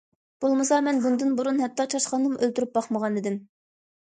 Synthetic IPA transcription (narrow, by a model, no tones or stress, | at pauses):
b̥olˠmɨsɑmɛnbund̪ɨnbuɾunɦɛt̪ʰːɑt͡ʃʰɑʃχɑnːɨmʔølt̪yɾyp̚bɑχməʁɑnɨd̪ɪm